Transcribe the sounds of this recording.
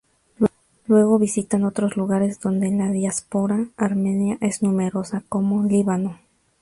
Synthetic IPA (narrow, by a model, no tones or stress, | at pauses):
lwe̞ɣo̞βisit̪ano̞t̪ɾo̞zluɣaɾe̞zd̪o̞nd̪enlaðjaspo̞ɾaːɾmẽnjaʔeznũme̞ɾo̞sakomo̞liβano̞